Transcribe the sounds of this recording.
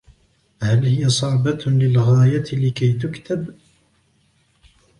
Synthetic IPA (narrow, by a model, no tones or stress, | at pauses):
halhɪjasˤɑʕbalɪlɣaːjalɪkajt̪ʊkt̪ab